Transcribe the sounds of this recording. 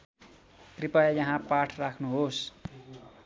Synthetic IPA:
t̪ripʌjjʌɦãpaʈʰrakʰnuɦos

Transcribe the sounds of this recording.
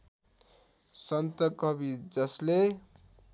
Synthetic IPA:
sʌnt̪ʌkʌbid͡zʌsle

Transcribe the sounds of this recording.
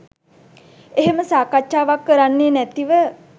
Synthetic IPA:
eɦeməsaːkaʃaːʋakːəɾanːeːnæt̪iʋə

